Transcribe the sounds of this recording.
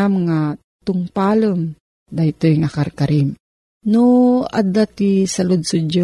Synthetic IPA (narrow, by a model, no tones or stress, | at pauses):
amŋa | t̪ʊŋpaləm | d̪ajt̪ojŋakaɾkaɾim | nʊa̰d̪at̪isalʊd̪sʊd͡ʒo